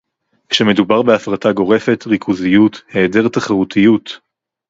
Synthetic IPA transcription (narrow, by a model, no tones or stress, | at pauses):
kʃeme̞dubaʁbe̞afʁataɡo̞ʁe̞fe̞tʁikʰuzijuthe̞ːde̞ʁtaχaʁutʰijut